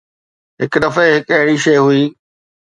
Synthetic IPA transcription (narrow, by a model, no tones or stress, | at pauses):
ɦɪkd̪ɐfeɦɪkɐɦɪɽiʃɐjɦʊiː